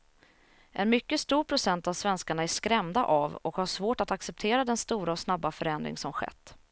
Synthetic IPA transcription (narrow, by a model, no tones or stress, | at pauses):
ʔɛ̰nmʏkːəst̪uːɾpʰɾʊsɛnt̪avsvɛnskaɳaæʂkɾɛmd̪a̰ʔavɔkhaʂvoːʈat̪aksɛp̚t̪ʰeːɾad̪ɛnst̪uːɾaɔsnabːafœɾɛnd̪ɾɪ̰ŋsɔmɧɛ̰t̪ː